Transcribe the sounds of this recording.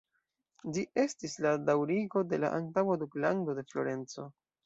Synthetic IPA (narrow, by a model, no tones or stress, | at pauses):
d͡ʒiʔe̞stisladawɾiɡo̞de̞la̰ʔantawaduklando̞de̞flo̞̰ɾe̞nt͡so̞̰